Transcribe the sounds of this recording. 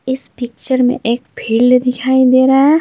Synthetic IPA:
ɪspɪkt͡ʃəɾmḛ̃ʔeːk̚bʱiːlɖd̪ɪkʰaːid̪eːɾaɦɛ

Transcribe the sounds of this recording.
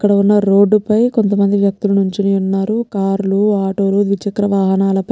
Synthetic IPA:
kːɐɽɐunːɐɾoːɖːupɐjko̞nt̪ɐmɐnd̪iʋjɐk̚t̪ulɐnuɲt͡ʃiniːunːaːɾukaːɾluaːʈo̞ːlud̪ʋit͡ʃɐkɾɐʋaːɦɐnaːlɐpɐ

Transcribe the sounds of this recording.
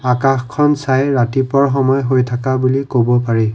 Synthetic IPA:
akaxkʰːɔnsajɹatipɔɹxɔmɔjɦojtʰakabulikobɔpaɹi

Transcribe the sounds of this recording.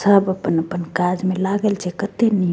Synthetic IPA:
səbəpːənəpənkad͡ʒmelaɡəlt͡ʃʰekət̪eni

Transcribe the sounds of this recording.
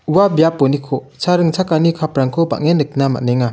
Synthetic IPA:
uwabijapːɔnikʰɔ | t͡ʃʰaɾɯŋt͡ʃʰakanikʰapɾaŋkʰɔba̰ʔŋenːɯk̚nama̰ʔneŋa

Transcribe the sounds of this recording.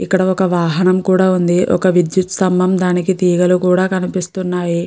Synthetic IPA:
ikːɐɽɐɔkɐʋaːɦɐnɐmkuːɽaːund̪iʔɔ̰kɐʋid̪jut̪sɐmbɐmd̪aːnikit̪iːɡɐlukuːɽaːkɐnipist̪unːaːji

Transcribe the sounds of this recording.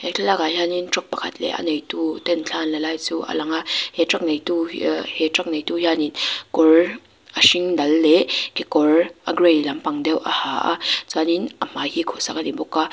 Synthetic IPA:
hɛt͡ɬʰalakajaninʈ͡ʂɔk̚pɐkʰat̪̚lɛ̰ʔɐ̰nejt̪ut̪ɛnt͡ɬʰanlalajt͡suʔa̰laŋahɛʈ͡ʂak̚nejtuhɛtrak̚nejt̪ujaninkɔr | ʔaʃiŋdɐlːɛkikɔrʔaɡrejlɐmpaŋdɛwʔahaʔa̰t͡saninʔɐm̥ahikʰɔsakanibɔkːa

